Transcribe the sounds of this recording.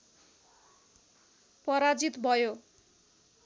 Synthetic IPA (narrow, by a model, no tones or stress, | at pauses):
pʌɾad͡zit̪bʱʌjo